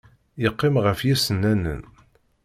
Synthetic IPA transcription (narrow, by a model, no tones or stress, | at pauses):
ɪqːɪmʁəfjæsənːænə̰n